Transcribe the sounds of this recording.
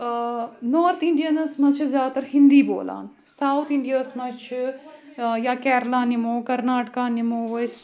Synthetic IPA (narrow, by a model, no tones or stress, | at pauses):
noːɾt̪ɪ̃ɳɖijənɐsmɐt͡ʃʰzjaːt̪ɐɾɦɪ̃nd̪iːbo̰ːla̰ːn | saːwt̪ʰɪɳɖijasmɐt͡ʃʰ | jaːkɛːɾlaːnimoːkɐɾnaːʈkaːnimoːʋɐs